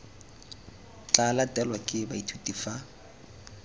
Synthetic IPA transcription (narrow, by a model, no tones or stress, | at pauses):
t͡ɬʼalatʼɛlwakʼɪbaitʰutʼifa